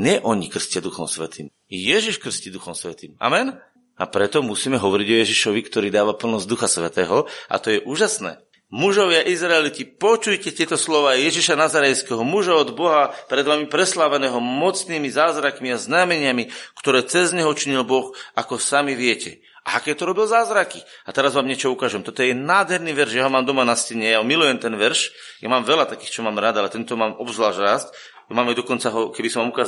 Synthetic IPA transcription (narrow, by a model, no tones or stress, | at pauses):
ɲɛʔɔɲikr̩scɪad̪uxɔmsʋɛ̰t̪ḭːm | jɛʒiʃkr̩scid̪uxɔmsʋɛt̪iːma̰mɛn | a̰pɾɛt̪ɔmusiːmɛɦɔʋɔɾiɟɔjɛʒiʃɔʋikt̪ɔɾiːd̪aːʋapl̩nɔzd̪uxasʋɛt̪ɛːɦɔa̰t̪ɔjɛʔuːʒasnɛ̰ː | muʒɔʋɪaʔizɾaɛlit̪ipɔt͡ʃujcɛt̪ɪɛt̪ɔslɔʋaːjɛʒiʃanazaɾɛjskɛɦɔmuʒaɔd̪bɔɦapɾɛd̪ʋamipɾɛslaːʋɛnɛːɦɔmɔt͡sniːmizaːzɾakmiaznamɛɲɪamikt̪ɔɾɛːt͡sɛzɲɛɦɔt͡ʃiɲilbɔxakɔsamiʋɪɛcɛ̰ | a̰akɛːt̪ɔɾɔbilzaːzɾaki | at̪ɛɾazʋaːmɲɪɛt͡ʃɔukaːʒɛmt̪ɔt̪ɔjɛɛnaːd̪ɦɛɾniːʋɛɾʃjaɦɔmaːmd̪ɔmanascɛɲɛjaɦɔmilujɛmt̪ɛnʋɛɾʃja̰maːmʋɛlat̪akiːxt͡ʃɔmaːmɾad̪alɛt̪ɛnt̪ɔmaːmɔbzlaːʒɾast | jamaːmajd̪ɔkɔnt͡saɦɔkɛbisɔmʋamukaː